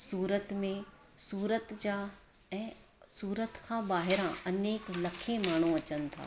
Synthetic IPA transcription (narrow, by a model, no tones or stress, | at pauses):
suːɾət̪mẽ | suːɾət̪d͡ʑaː | ɛ̃ː | suːɾət̪kʰãːbaːɦɪɾãɐneːklɐkʰẽmaːɳ̤uɐt͡ɕənɪ̆t̪ʰa̰ː